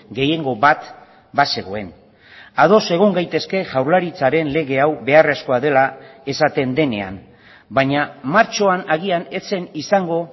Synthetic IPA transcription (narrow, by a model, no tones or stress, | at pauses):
ɡe̞je̞ŋɡo̞βat̪ | base̞ɣo̞e̞n | að̞o̞se̞ɣ̞oŋɡajt̪e̞ske̞ʝawɾlaɾit͡saɾe̞nle̞ɣ̞e̞awβe̞are̞sko̞aðe̞lae̞sat̪e̞nd̪e̞ne̞a̰m | baɲamaɾt͡ʃo̞anaɣ̞iane̞t͡se̞nisaŋɡo̞